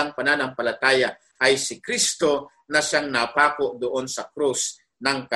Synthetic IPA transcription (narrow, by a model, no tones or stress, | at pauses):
aŋpananɐŋpɐlat̪aːja | ʔajsɪkɾist̪o̞ | nɐʃaŋnapaːkoʔd̪oʔonsɐkɾus | nɐŋka